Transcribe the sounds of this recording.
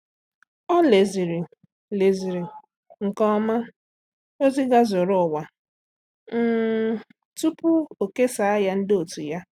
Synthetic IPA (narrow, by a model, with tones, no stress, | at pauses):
ɔ˦le˨zi˨ɾi˨ | le˨zi˨ɾi˨ | ŋ̩˨kɔ˦ma˦ | o˦zi˦ɡa˦zʊ˨ɾʊ˦˨wa˨˦ | tu˦pʊ˦o˨ke˦sa˨a˦ja˦n̩˦do˨tu˨ja˦